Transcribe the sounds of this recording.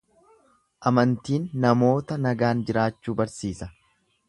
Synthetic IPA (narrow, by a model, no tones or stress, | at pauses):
ʔɐmɐnt̪iːnːɐmo̞ːt̪ɐnɐɡaːnd͡ʒɪɾaːt͡ʃːuːbɐɾsiːsɐ